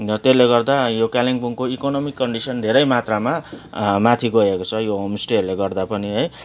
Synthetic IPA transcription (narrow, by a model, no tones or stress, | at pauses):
t̪elːeɡʌrd̪ajokaliŋbuŋkoikonʌmikːʌɳɖisʌnd̪ʱeɾʌjmat̪ramamat̪ʰiɡʌekot͡sʰʌjoɦomisʈiʌɾuleɡʌrd̪apʌniɦʌj